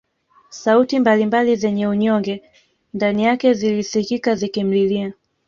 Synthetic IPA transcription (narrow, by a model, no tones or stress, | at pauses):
sautimbalimbalizɛɲɛuɲɔŋɡɛ | ndanijakɛzilisikikazikim̩lilia